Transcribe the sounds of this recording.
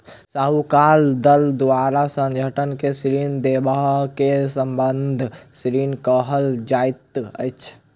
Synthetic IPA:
saːɦukaːld̪əld̪aːɾasə̃ŋɡʱəʈənkesɾiːnd̪ebaɦkesə̃mbənd̪ʱsɾiːnkəɦəld͡ʒaɪt̪ə̰jt͡ʃʰ

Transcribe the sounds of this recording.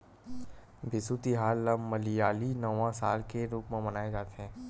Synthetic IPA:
bʱɪsut̪iɦaːlːɐmmɐlijaːlinɐʋãsa̰ːlkeɾuːkmẽmɐnaːed͡ʒaːt̪eɦɛ̃ː

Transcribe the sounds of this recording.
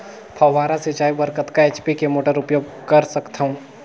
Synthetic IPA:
t̪ʰɐʋːaːɾasɪt͡ʃaːibəɾkət̪kaeːt͡ʃpikemoːʈəɾʊpjoːɡ̚kɐɾsɐkt̪aɦũː

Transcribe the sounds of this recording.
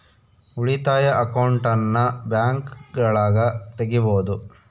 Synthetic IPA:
uɭit̪aːjɐʔɐkɐwɳʈɐnːɐbjaːŋkɡɐɭaːɡɐt̪eɡiboːd̪u

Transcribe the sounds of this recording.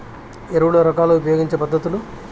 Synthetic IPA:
eɾuʋuɽoɾɐkaːluupɐjoːɡiɲt͡ʃepɐd̪ːɐt̪ulu

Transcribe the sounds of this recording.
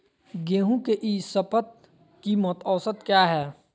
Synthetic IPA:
ɡeːɦũkeʔiːsəpət̪̚ | kimɔt̪ɔːsət̪kjaːɦɛː

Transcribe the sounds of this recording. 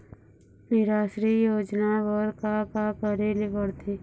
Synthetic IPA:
nɪɾaːʃɾijoːd͡ʒnaʋɔɾkakapəɾelibəɽt̪ʰi

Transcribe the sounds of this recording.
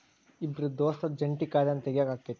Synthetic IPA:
ibɾud̪oːst̪ɐd͡ʒɐɳʈikaːɾɐnt̪eɡjaːɡaːkːet̪ː

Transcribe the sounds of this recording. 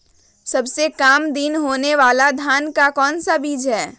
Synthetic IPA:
səbsekaːmd̪inɦoːneʋaːlad̪ʱaːnkakɔːnsabiːd͡ʒɦɛː

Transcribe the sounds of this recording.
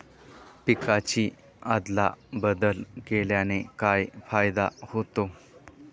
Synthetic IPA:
pikat͡ɕiː | ad̪la̰bəd̪əlkeljanekajfajd̪a̰hot̪o

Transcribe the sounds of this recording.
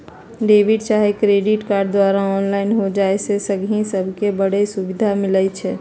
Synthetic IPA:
ɖeːʋɪɖt͡ʃaːɦekɾeːɖɪʈkaːɾɖ̚d̪waːɾaɔːnlaːɪnɦod͡ʒaːesesəɡʱĩsəbʱkebəɽ̤esʊʋɪd̪ʱamɪlət͡ʃʰɛː

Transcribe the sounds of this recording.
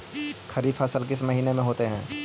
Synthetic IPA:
xʰɐɾiːbfʰaːsəlk̬ɪsmɐɦiːnemẽɦoːt̪eɦɛ̰̃ː

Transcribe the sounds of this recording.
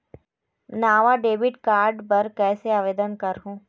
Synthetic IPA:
naːʋaɖeːbɪʈkaːɾɖpɐɾkɛːseaːʋeːd̪ənkɐɾɦũː

